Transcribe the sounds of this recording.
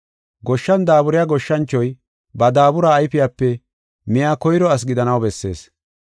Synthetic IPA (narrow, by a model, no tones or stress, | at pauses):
ɡɔʃːɐnd̪aːbʊɾɪjaːɡɔʃːɐnt͡ʃːɔj | bɐd̪aːbʊɾaːjfɪjaːpːɛ | mɪjaːkɔjɾɔɐs̬ɡɪd̪ɐnɐwbɛsːe̞̰ːs